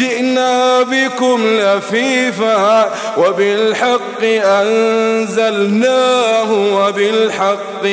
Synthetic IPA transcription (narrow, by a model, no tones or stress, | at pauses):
ɪʔnaːbɪkʊmlafiːfa | wabɪlħɑqːɨʔanzalnaːɦʊwabɪlħɑqː